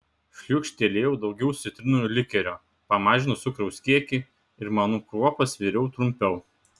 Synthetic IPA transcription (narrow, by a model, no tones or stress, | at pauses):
ʃʲlʲukʃʲt̪ʲeːlʲeːjɛʊd̪ɒʊɡʲɛʊsʲɪt̪ʲɾʲɪnulʲɪkʲɛɾʲoː | pɐmɑːʒʲɪnʊsʊkɾɐʊskʲiɛkʲi | ɪɾmɑːnukɾuɔpɐsʋʲiːɾʲɛʊt̪ɾʊmʲpʲɛʊ